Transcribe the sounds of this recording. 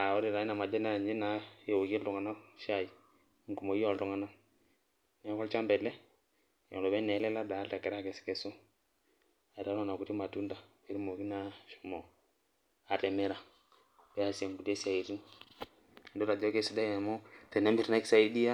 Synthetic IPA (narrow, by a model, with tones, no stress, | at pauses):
a˨ɔ˦ɾi˨ɾa˨i˦na˨ma˨dɛ˦na˦˨ɲd͡ʒi˦na˨˦je˨wo˨ki˦ltɔ˨ŋa˨na˦ʃa˨i˨ | ŋ˨ku˨mo˨i˦ɔ˦˨ltɔ˨ŋa˨na˦ | nɛ˦kɔ˦lt͡ʃa˦mbɛ˨lɛ˦ | jɔ̰˨lo˨bɛ˦nɛ˨˦lɛ˦la˦da˨˦lta˨kɛ˨ɾa˦kɛ˨si̥˨kɛ˨so˦ | a˨ɾa˦nɔ˦˨na˨ku˨ti˦ma˨tu˦nda˨ | e˦ɾi˦mo˨ki˦na˨˦ʃu̥˨mɔ˨ | a˨tɛ˨mɛ˦ɾa˨ | bɛ˦a˨se˨ŋɡu˨de˦si˦a˨i˨ɾi˦ŋ˨ | ndo˦ɾa˨d͡ʒɔ˦ke˦˨si˨da˦˨ɛ˨mɔ˦tɛ˨nɛ˦mbi˨ɾina˦ki̥˦sa˨i˦di˦a˦